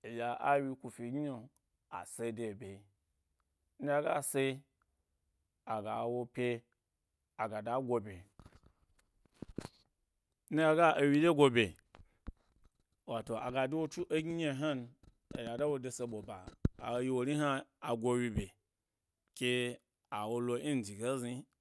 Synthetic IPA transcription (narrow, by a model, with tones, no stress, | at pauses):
e˨ja˨ʔa˦wi˧kʷu˧fi˨ɡi˦ɲo˨ | a̰˨se˧˦de˨be˨˦ | n̩˦a˧ɡa˦˨se˦˧˦ | a˨ɡa˨wo˧pʲe˧ | a˨ɡa˨da˨˦ɡʷo˧be˨ | n̩˦ja˧ɡa˦ʔo˨wi˧de˦ɡʷo˧bʲe˨ | wa˨to˨a̰˨ɡa˨dwo˦t͡ʃu˦ʔo˦ɡi˦ɲe˧˨ɦa˦n | o˨ja˨da˦wo˧de˧se˧ɓo˨ba̰˨a̰˨˦ji˦˧wo˨ɾi˦ɦa˦a˨ɡʷo˧wi˧bʲe˨ | kʲe˧ | a˨wo˧lo˧˦i˦n˨d͡ʒi˨ɡe˦zi˧